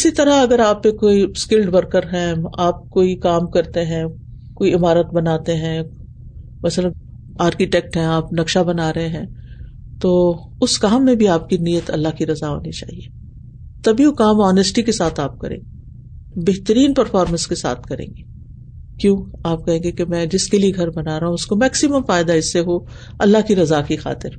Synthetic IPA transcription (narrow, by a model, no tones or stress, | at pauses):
ɪsit̪ɐɾaɐɡəɾaːpːekoːiskɪlɖʋɐɾkəɾɦɛ̃aːp̚koːikaːmkɐɾt̪eɦɛ̃ | koːiɪmaːɾət̪̚bɐnaːt̪eɦɛ̃ | mɐslən | aːɾkiʈɛːk̚ʈɦɛ̃aːpnɐkʃabɐnaːɾɐɦeɦɛ̃ː | t̪oː | ʊskaːmːẽbʱiaːp̚kinijət̪ɐ̰lːaɦkiɾɐzaɦo̰ːnit͡ʃa̰ːɦieː | t̪ɐbiukaːmɔːnəsʈikesaːt̪ʰaːp̚kɐ̰ɾḛ̃ːɡe | beɦt̪əɾiːnpɐɾfɔːɾmə̃nskesa̰ːt̪ʰkɐɾḛ̃ːŋɡeː | kjõːaːp̚kɐɦẽːŋɡekemɛ̃ːd͡ʒɪskelieɡʱɐɾbɐnaːɾɐɦũʊskomɛːksɪməmfaːɪd̪aɪsːeɦoː | ɐ̰lːaɦkiɾɐzakixa̰ːt̪ɪɾ